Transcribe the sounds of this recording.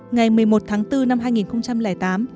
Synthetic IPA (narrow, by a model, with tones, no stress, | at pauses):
ŋa˨˩jmɨ˨˩əjmo˨˩t̚t̪ʰaː˨˦ŋt̪ɨ˧na˧mɦaː˧jŋi˨˩nxə˧wŋ͡mt͡ɕa˧mlɛː˧˩jt̪aː˨˦m